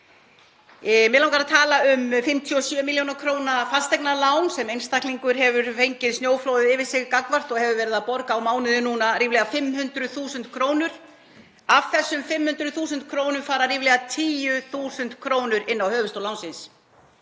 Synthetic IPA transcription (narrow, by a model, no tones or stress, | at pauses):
mɛɪðlawŋkaɾaðt̪ʰaːlaʏmfɪmt̪ʰjiɔsjœːmiljownakʰɾoːwnafast̪ɛjknalaːwnsɛmejnst̪ahkliŋkʏɾɦɛvʏɾfejɲcɪðsnjoːwfloːwðɪðɪːvɪ̥sɪɣkakvar̥t̪ɔɣhɛvʏɾvɛːɾɪðapɔɾkawmaːwnɪðɪnuːnariːvlɛːɣafɪmhʏnt̪ɾʏθuːsʏnt̪̚kʰɾoːwnʏɾ̥ | av̥θɛsːʏmfɪmhʏnt̪ɾʏðθuːs̬ʏnt̪̚kʰɾoːwnʏɾfaːɾariːvlɛɣat̪ʰiːjʏθuːsʏnt̪kʰɾoːwnʏɾɪnːawhœːvʏst̪owlawnsɪns